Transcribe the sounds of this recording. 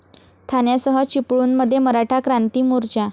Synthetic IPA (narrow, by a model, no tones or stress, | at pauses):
t̪ʰanjasəɦət͡ɕipɭuːnməd̪ʱːjeməɾaʈʰakɾant̪iːmuɾt͡ɕa